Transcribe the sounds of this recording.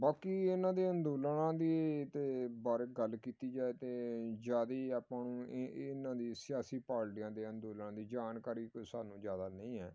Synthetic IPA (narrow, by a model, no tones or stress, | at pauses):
baːkiːɪnãːd̪eːənd̪oːlanãːd̪iːt̪eːbaːɾeɡəlkiːt̪iːd͡ʒaːeːt̪eːd͡ʒaːd̪iːaːpãːnũːnãːd̪iːsɪjaːsiːpaːɽʈɪjãːd̪eːənd̪oːlaãːd̪iːd͡ʒaːnkaːɾiːksaːnũːd͡ʒjaːd̪aːnə̃ĩːɛː